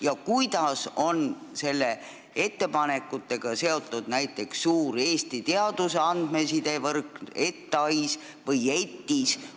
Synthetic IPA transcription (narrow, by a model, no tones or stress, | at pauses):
jɑkujd̪̥ɑso̞nse̞lːe̞ | e̞t̪ːe̞pɑne̞kːˑut̪ːˑe̞ɡ̥ɑse̞o̞t̪ːˑud̪̥næjt̪ːˑe̞ksːuːɾe̞ːst̪it̪eɑd̪̥useɑnd̪̥me̞sid̪e̞vɤrkne̞t̪ːeɑjs | vɤje̞t̪ːis